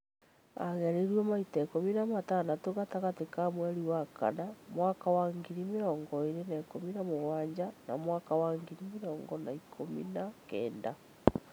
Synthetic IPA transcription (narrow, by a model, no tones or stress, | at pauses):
a̰ɣɛɾeɾwɔmaitakominamatanatoɣataɣatekamwɛɾiwaka̰namwakawaŋɡiɾimeɾɔːŋɡɔeɾenakominamoɣwaːɲd͡ʑana̰mwaːkawaŋɡiɾimeɾɔːŋɡɔnaikʰomḭnakɛ̰ːnda